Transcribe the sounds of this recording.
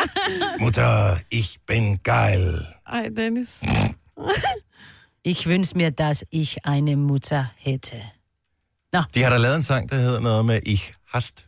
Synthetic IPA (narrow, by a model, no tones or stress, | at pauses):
mut͡sʰɐiçb̥ɪnɡ̥aɪlʔaɪdɛnɪs | ʔɪçvʏnʃəmiːɐd̥asɪçʔaɪnəmʊtʰɐhɛtʰə | nad̥ihɑɾɑlɛːðˠensɑ̈ŋ̰d̥ɑheð̞̰ˠɐnɔːð̩ˠmeʔiçhasd̥